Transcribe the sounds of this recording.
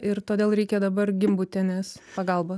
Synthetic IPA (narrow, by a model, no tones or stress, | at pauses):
ɪɾt̪oːd̪ʲeːlˠɾʲɛɪkʲɛd̪ɐbɐrɡʲɪmbut̪ʲɛnʲeːspɐɡɐlˠboː